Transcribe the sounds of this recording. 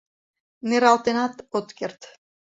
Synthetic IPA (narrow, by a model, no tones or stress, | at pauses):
nɪɾawt̪ɪnat̪ɔt̪cɛr̥t̪